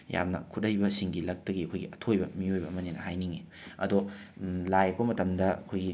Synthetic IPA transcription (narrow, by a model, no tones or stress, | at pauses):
ja̰mnɐ̰kʰutɐjbɐsiŋɡilɐk̚tɐɡiɐkʰojɡiʔɐtʰojbɐmiojbɐːmɐnenɐhajniŋi | ɐdɔlajɐkomɐtɐmdɐɐ̰kʰojɡi